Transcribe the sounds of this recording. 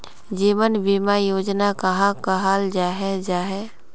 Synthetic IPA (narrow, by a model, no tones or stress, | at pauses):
d͡ʒiːʋənbimajoːd͡ʒnakaɦãkaɦaːld͡ʒaːɦɛd͡ʒaːɦɛ